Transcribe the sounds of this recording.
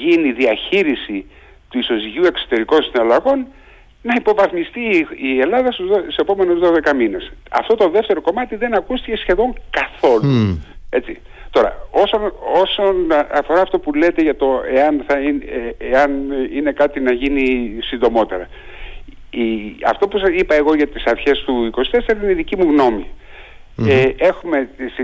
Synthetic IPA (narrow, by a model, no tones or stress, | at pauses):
ʝiniðiɐçiɾisi | t̪uiso̞siʝue̞ksot̪e̞ɾiko̞nsinɐlɐɣo̞n | nɐipo̞vɐθmist̪iie̞lɐðɐst̪uzose̞po̞me̞nozðoðe̞kɐmine̞sɐ̰ft̪o̞t̪o̞ðe̞ft̪e̞ɾo̞ko̞mɐt̪iðe̞nɐkust̪ice̞sçe̞ðo̞ŋkɐθo̞lue̞t͡sḭ | t̪o̞ɾɐ̰o̞sono̞sonɐɐfo̞ɾɐːft̪o̞pule̞t̪e̞ʝɐt̪o̞eɐnθɐineɐnine̞kɐt̪inɐʝinisind̪o̞mo̞t̪e̞ɾɐ | iɐ̰ft̪o̞pusɐsipɐe̞ɣo̞ʝɐt̪isɐɾçe̞st̪uiko̞si̥t̪e̞seɾɐineiðicimuɣno̞mi | ee̞xume̞s